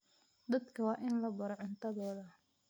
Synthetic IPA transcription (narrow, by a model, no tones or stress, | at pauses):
d̪ɐd̪kʰɐwɑːʔɪnlɐbɐɾɔʕɪnt̪ʰɐðɔːðɐ